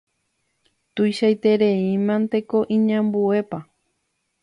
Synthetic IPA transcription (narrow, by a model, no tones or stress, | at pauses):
t̪ujʃajt̪eɾeimãnt̪e̞ko̞ʔĩɲãmbue̞pa